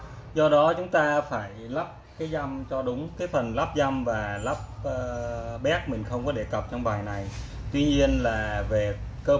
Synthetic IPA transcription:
zɔ˧ɗɔ˨˦t͡ɕʊ˨˦ŋ͡mt̪aː˧faː˧˩jla˦˥p̚kaː˨˦jza˧mt͡ɕɔ˧ɗʊ˨˦ŋ͡mkaː˨˦jfə˨˩nla˦˥p̚za˧mvaː˨˩la˦˥p̚ːɓɛ˦˥k̚mï˨˩ŋ̟xə˧wŋ͡mkɔ˨˦ɗe˧˩kə˨˩p̚t͡ɕɔ˧wŋ͡mɓaː˨˩jna˨˩j | t̪wi˧ɲi˧ənlaː˨˩ve˨˩kəː˧

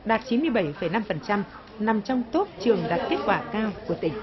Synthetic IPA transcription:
ɗaː˨˩t̚t͡ɕi˨˦nmɨ˧əjɓə˧˩jfə˧˩jna˧mfə˨˩nt͡ɕa˧m | na˨˩mt͡ɕɔ˧wŋ͡mt̪o˦˥p̚t͡ɕɨ˨˩əŋɗaː˨˩t̚k̪i˦˥ət̚kwaː˧˨kaː˧wku˧˩ət̪ï˧˩ŋ̟

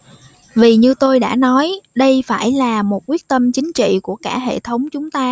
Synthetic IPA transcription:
vi˨˩ɲɨ˧t̪o˧jɗa̰ː˧˥nɔ˨˦jɗə˧jfaː˧˩jlaː˨˩mo˨˩t̚kwi˦˥ət̚t̪ə˧mt͡ɕï˨˦ŋ̟t͡ɕḭ˧˨ku˧˩əkaː˧˩ɦḛ˧˨t̪ʰə˨˦wŋ͡mt͡ɕʊ˨˦ŋ͡mt̪aː˧

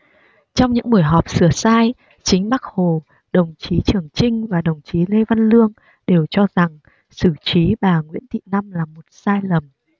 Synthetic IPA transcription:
t͡ɕɔ˧wŋ͡mɲɨ̰˧˥ŋɓu˨˩əjɦɔ˨˩p̚sɨ˧˩əsaː˧j | t͡ɕï˨˦ŋ̟ɓaː˦˥k̚ho˨˩ | ɗə˨˩wŋ͡mt͡ɕi˨˦t͡ɕɨ˨˩əŋt͡ɕï˧ŋ̟vaː˨˩ɗə˨˩wŋ͡mt͡ɕi˨˦le˧va˧nlɨ˧əŋ | ɗe˨˩wt͡ɕɔ˧za˨˩ŋ | sɨ˧˩t͡ɕi˨˦ɓaː˨˩ŋwḭ˧˥ənt̪ḭ˧˨na˧mlaː˨˩mo˨˩t̚saː˧jlə˨˩m

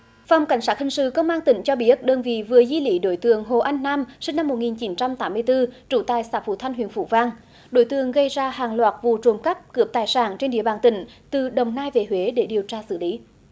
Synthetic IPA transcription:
fa˨wŋ͡mka˧˩jŋ̟saː˦˥t̚hï˨˩ŋ̟sɨ̰˧˨kə˧wŋ͡mʔaː˧nt̪ï˧˩ŋ̟t͡ɕɔ˧ɓi˧˦˥ə˥t̚ɗəː˧nvḭ˧˨vɨ˨˩əzwi˧lḭ˧˦ɗo˨˦jt̪ɨ̰˧˨əŋɦo˨˩ʔa˧jŋ̟naː˧msï˧ŋna˧mːo˨˩t̚ŋi˨˩nt͡ɕi˨˦nt͡ɕa˧mt̪aː˨˦mːɨ˧əjt̪ɨ˧t͡ɕu˧˩t̪aː˨˩jsaː˧˩fṵ˧˩t̪ʰa˧jŋ̟ɦḭ˧˨ənfṵ˧˩˦vaː˧ŋ | ɗo̰˧˦jt̪ɨ̰˧˨əŋɣə˧jzaː˧haː˨˩ŋlwaː˨˩t̚vṵ˧˨t͡ɕo˨˩mkə˦˥p̚kɨ˨˦˩əp̚t̪aː˨˩jsaː˧˩nt͡ɕe˧nɗḭ˧˨əɓaː˨˩nt̪ï˧˩ŋ̟t̪ɨ˨˩ɗə˨˩wŋ͡mnaː˧jve˧˨˩ɦwe˨˦ɗe˧˩ɗi˨˩əwt͡ɕaː˧sɨ̰˧˩li˨˦

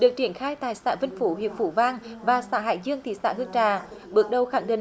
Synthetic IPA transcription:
ɗɨ˨˩ək̚t͡ɕi˧˩ənxaː˧jt̪aː˧˨jsa̰ː˧˥və˧nfu˧˦hḭ˧˨əp̚fu˧˩vaː˧ŋvaː˨˩saː˧˥ɦa̰ː˧˨jzɨ˧əŋt̪ʰḭ˧˨sa̰ː˧˥hɨ˧əŋt͡ɕaː˨˩ɓɨ˨˩ək̚ɗə˨˩wxaː˧˩ŋɗḭ˧˨

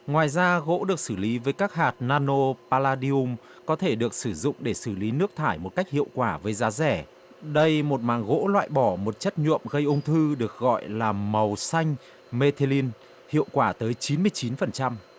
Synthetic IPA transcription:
ŋwaː˨˩jzaː˧ɣo̰˧˥ɗɨ˨˩ək̚sɨ˧˩li˨˦vəː˨˦jkaː˦˥k̚haː˨˩t̚naː˧no˧paː˧laː˧ɗi˧u˧m | kɔ˨˦t̪ʰe˧˩ɗɨ˨˩ək̚sɨ˧˩zʊ̰˧˨ŋ͡mɗe˧˩sɨ˧˩li˨˦nɨ˦˥ək̚t̪ʰaː˧˩jmo˨˩t̚ka˦˥jk̚hḭ˧˨əwkwaː˧˩vəː˨˦jzaː˨˦zɛ˧˩ | ɗə˧jmo˨˩t̚maː˨˩ŋɣo̰˧˥lwa̰ː˧˨jɓɔ˧˩mo˨˩t̚t͡ɕə˦˥t̚ɲṵ˧˨əmɣə˧jʔʊ˧wŋ͡mt̪ʰɨ˧ɗɨ˨˩ək̚ɣɔ̰˧˨jlaː˨˩mə˨˩wsa˧jŋ̟ | me˧t̪ʰe˧li˧n | hḭ˧˨əwkwaː˧˩t̪əː˨˦jt͡ɕi˨˦nmɨ˧əjt͡ɕi˨˦nfə˨˩nt͡ɕa˧m

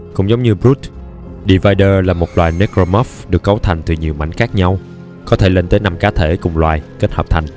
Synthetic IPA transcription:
kʊ̰˧˥ŋ͡mzə˨˦wŋ͡mɲɨ˧bɾu˦˥t̪̚ | ɗi˧vaː˧jɗəː˧laː˨˩mo˨˩t̚lwaː˨˩jne˨˦˥ko˧mɔ˦˥fɗɨ˨˩əkːa˨˦wt̪ʰa˨˩jŋ̟t̪ɨ˨˩ɲi˨˩əwma̰˧˩jŋ̟xaː˦˥k̚ɲa˧w | kɔ˨˦t̪ʰe˧˩le˧nt̪əː˨˦na˧mkaː˨˦t̪ʰe˧˩kʊ˨˩ŋ͡mlwaː˨˩jke˦˥t̚həː˨˩p̚t̪ʰa˨˩jŋ̟

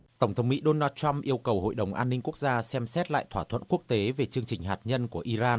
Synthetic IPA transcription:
t̪ə˧˩wŋ͡mt̪ə˨˦wŋ͡mmḭ˧˥ɗo˧naː˧t̚t͡ɕa˧mʔi˧əwkə˨˩who̰˧˨jɗə˨˩wŋ͡mʔaː˧nːï˧ŋ̟ku˦˥ək̚zaː˧sɛ˧msɛ˦˥t̚la̰ː˧˨jt̪ʰwaː˧˩t̪ʰwə̰˧˨nku˦˥ək̚t̪e˨˦ve˨˩t͡ɕɨ˧əŋt͡ɕï˨˩ŋ̟ɦaː˨˩t̚ɲə˧nku˧˩əʔi˧zaː˧n

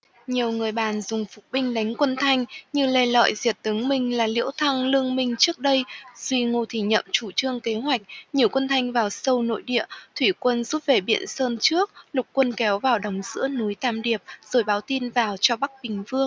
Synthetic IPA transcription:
ɲi˨˩əwŋɨ˨˩əjɓaː˨˩nzʊ˨˩ŋ͡mfʊ˨˩k͡p̚ɓï˧ŋ̟ɗa˨˦jŋ̟kwə˧nt̪ʰa˧jŋ̟ɲɨ˧le˧˩lɔ̰ː˧˨jzi˨˩ət̚t̪ɨ˨˦ŋmï˧˩ŋ̟laː˨˩lḭ˧˥əwt̪ʰa˧ŋlɨ˧əŋmï˧ŋ̟t͡ɕɨ˦˥ək̚ɗə˧jzwi˧ŋo˧˩t̪ʰi˧˩ɲə̰˧˨mt͡ɕu˧˩t͡ɕɨ˧əŋke˨˦ɦwa˨˩jk̟̚ɲi˨˩əwkwə˧nt̪ʰa˧jŋ̟vaː˨˩wsə˧wno̰˧˨jɗḭ˧˨ət̪ʰwi˧˩kwə˧nzu˦˥p̚ve˨˩ɓḭ˧˨ənsəː˧nt͡ɕɨ˦˥ək̚lʊ˨˩k͡p̚kwə˧nkɛ˨˦wvaː˨˩wɗə˨˦wŋ͡mz̥ɨ̰˧˥ənu˨˦jt̪aː˧mɗi˨˩əp̚z̥o˨˩jɓaː˨˦wt̪i˧nvaː˨˩wt͡ɕɔ˧ɓa˦˥k̚ɓï˨˩ŋ̟vɨ˧əŋ

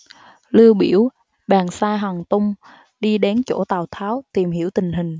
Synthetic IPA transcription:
lɨ˧əwɓḭ˧˩əw | ɓaː˨˩nsaː˧jɦwaː˨˩ŋt̪ʊ˧ŋ͡m | ɗi˧ɗe˨˦nt͡ɕo˧˩t̪aː˨˩wt̪ʰaː˨˦wt̪i˨˩mɦi˧˥əwt̪ï˨˩ŋ̟ɦï˨˩ŋ̟

